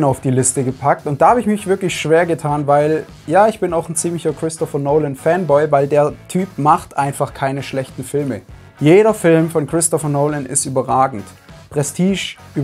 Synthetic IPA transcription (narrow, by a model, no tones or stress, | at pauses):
naʊfd̥iːlɪstəɡəpʰak̚tʊnt̚d̥aːhaːbəɪçmɪçv̥ɪɐklɪçʃv̥eːɐɡətʰaːnvaɪl | jaːɪçb̥ɪnaʊxn̩t͡siːmlɪçɐkʁ̥ɪstɔfənoʊlənfɛnbɔɪvaɪldeːɐtʰyːpmaχtʔaɪnfaχkʰaɪnəʃlɛçtn̩fɪlmə | jeːɾɐfɪlmfɔnkʁ̥ɪstɔfənoʊlənʔɪ̰styːbɐʁaːɡŋ̩t | pʁ̥ɛstʰiːʃʔyː